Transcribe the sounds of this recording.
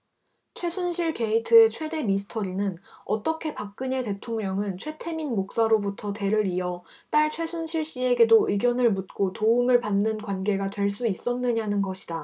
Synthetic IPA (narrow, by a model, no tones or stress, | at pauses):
t͡ɕʰwe̞sʰunɕʰiɭke̞itʰɯe̞t͡ɕʰwe̞de̞misʰɯ̥tʰʌɾinɯnʌt͈ʌkʰe̞pak̚k͈ɯɲe̞te̞tʰoŋɲʌŋɯnt͡ɕʰwe̞tʰe̞minmok̚s͈aɾobutʰʌte̞ɾɯɾiʌ | t͈aɭt͡ɕʰwe̞sʰunɕʰiɭɕ͈ie̞ɡe̞doɯɡjʌnɯɭmut̚k͈otoumɯɭpanːɯnkwanɡe̞ɡadwe̞ɭs̬͈uis͈ʌnːɯɲanɯnɡʌɕʰi̥da